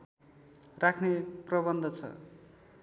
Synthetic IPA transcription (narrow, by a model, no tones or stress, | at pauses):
rakʰneprʌbʌnd̪ʱʌt͡sʰʌ̰